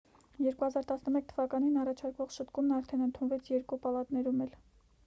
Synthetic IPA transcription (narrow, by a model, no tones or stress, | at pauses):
jɛɾkuhɑzɑɾt̪ɑsnəmɛk̚t̪ʰəvɑkɑninɑrɑt͡ʃʰɑɾkvɔχʃət̪kumnɑɾt̪ʰɛnənt̪ʰunvɛt͡sʰjɛɾkupɑlɑt̪nɛɾumɛl